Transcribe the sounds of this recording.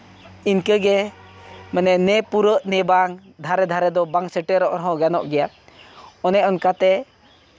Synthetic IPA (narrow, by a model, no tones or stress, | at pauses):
inkəɡɛ | manɛnɛpuɾəʔnɛbaŋd̪ʱaɾɛd̪ʱaɾɛd̪ɔbaŋsəʈɛɾɔʔɔɾɦɔɡanɔʔɡɛja | ɔnɛʔɔnkat̪ɛ